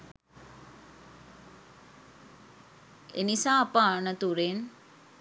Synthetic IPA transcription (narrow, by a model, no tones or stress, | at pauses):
ḛnisaːɐpəanət̪uɾen